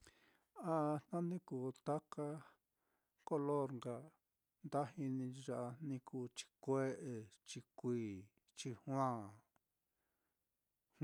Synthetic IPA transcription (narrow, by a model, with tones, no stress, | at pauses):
a˧nã˦nĩ˦ku˨t̪a˦ka˦ | ko˦lo˦˨ɾŋɡa˧ | nd̪a˦ɦi˧nĩ˧ʒa˧ʔa˧nĩ˧kuː˧t͡ʃi̥˧kʷe˦ʔe˧t͡ʃi˧kʷiː˦˧˨ | t͡ʃi˧hw̃ã˦˨